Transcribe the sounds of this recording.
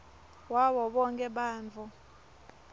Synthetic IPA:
wawɔɓɔŋkʼɛɓaːnt͡fu

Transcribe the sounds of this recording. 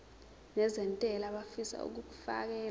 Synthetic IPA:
nɛzɛntʼɛlaɓafisa̰ṵk̬uk̬u̥fa̰k̬ɛːl

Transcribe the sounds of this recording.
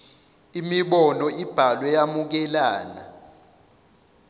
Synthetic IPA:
imiɓɔnɔib̥ʱalwɛjamuk̬ɛlaːna̰

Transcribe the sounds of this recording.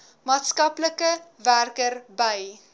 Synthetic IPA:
mɑːtskɐpləkəværkərbəj

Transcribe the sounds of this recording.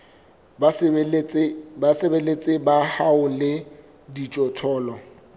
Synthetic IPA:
basebelet͡sʼɪbahaʊlɪ | dit͡ʃʼɔtʰɔːlɔ

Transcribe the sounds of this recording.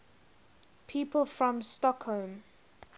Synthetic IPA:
pʰiːpəlˠfɹɔ̃mstɔkholm

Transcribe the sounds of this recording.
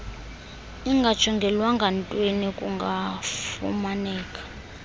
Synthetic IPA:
iŋɡʱḁt͡ʃʰɔŋɡʱɛlwaŋɡʱantʼwenikʼuŋɡʱafṵmanɛːkʼḁ

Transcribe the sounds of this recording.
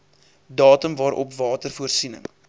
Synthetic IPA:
dɑːtəmvɑːɾʔɔ̰pvɑːtərfuərsinə̰ŋ

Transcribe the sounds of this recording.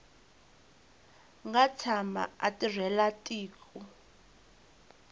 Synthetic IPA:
ŋɡat͡sʰama̰a̰tirɛlatʼiːkʰʼu

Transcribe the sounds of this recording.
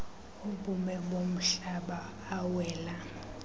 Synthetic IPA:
uɓumɛɓom̩ɬaɓaː | wɛːla

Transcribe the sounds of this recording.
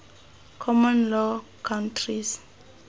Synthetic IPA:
kʰɔmɔ̃nlɔkʰãntʰris

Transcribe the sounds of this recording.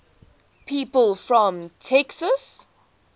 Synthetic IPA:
pʰiːpəlˠfɹɔ̃mtʰɛksəs

